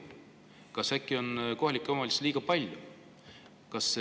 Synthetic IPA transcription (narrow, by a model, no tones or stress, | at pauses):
kɑsækːˑio̞nko̞ɦɑlʲikːˑeomɑlʲisliːɡ̥ɑpɑlʲju | kɑs